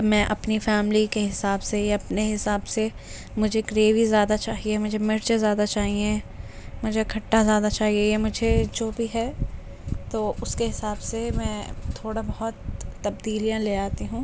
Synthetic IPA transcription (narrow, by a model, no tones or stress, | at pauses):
mɛ̃ːʔɐpnifɛːmlikeɦɪsaːbsejaɐpneɦɪsaːbse | mʊd͡ʒʱeɡɾeːʋizjaːd̪at͡ʃaːɦieɛmʊd͡ʒʱemɪɾt͡ʃezjaːd̪at͡ʃaːɦiẽ | mʊd͡ʒʱekʰɐʈːazjaːd̪at͡ʃaːɦiejemʊd͡ʒʱed͡ʒoːbʱiɦɛː | t̪oːʔʊskeɦɪsaːbsemɛ̃ːt̪ʰoːɽabɐɦɔt̪ːɐbd̪iːlijãleːaːt̪iɦũː